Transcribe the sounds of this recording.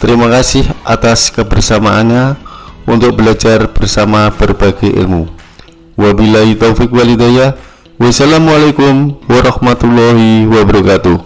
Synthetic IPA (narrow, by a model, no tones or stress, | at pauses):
t̪əɾimakasɪhʔa̰t̪askəbərsamaʔanɲaʔunt̪ʊk̚bəlad͡ʒarb̥ərsamab̥ərbaɡɛʔɪ̰lmu | wabilait̪owfik̚walid̪aja | wasalamualakʊmwaɾɑhmat̪ulɔɦiwabəɾɔkat̪u